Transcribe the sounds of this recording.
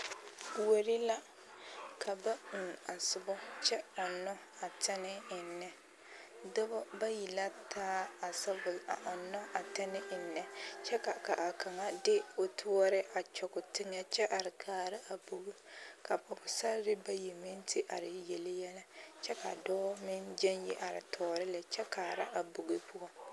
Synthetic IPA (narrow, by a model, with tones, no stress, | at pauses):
wo˨ɾi˦la˦ | kʰa˨ba˦˨n˨a˨sʊ˦bɔ˦t͡ʃɛ˦ɔ˨nɔ˦ | a˨tɛ˦nɪ˦ɪ˨nːɛ˨ | dɔ˦bɔ˦ba˦ji˨la˦tʰaː˦a˨sa˦bʊ˨la̰˨ʔa˨nɔ˦a˨tɛ˦nɪ˦ɪ˨nːɛ˨t͡ʃɛ˦ka˨ka˨ʔa˨ka˨ŋa˦dɪ˦o˨tʰu˦ɔ˦ɾɪ˦ʔa˨t͡ʃɔ˨kʊ˨tɪ˦ŋa˦t͡ʃɛ˦ʔa˨ɾɪ˨kʰaː˨ɾɪ˦ʔa˨bu˨ɡɪ˦ka˨pɔ˨bʊ˨sa˦ɾɾɪ˦ba˦ji˨mɪ˦ntʰɪ˦ʔa̰˨ɾɪ˨jɛ˨lɪ˦jɛ˦la˦t͡ʃɛ˦ka̰˨dɔː˦mɪ˦nd͡ʒɛ˦njɛ˦ʔa˨ɾɪ̰˨tʰɔː˨ɾɪ˦la˨t͡ʃɛ˦ka˨ɾa˦ʔa˨bʊ˨ɡɪ˦pʊ˦a˦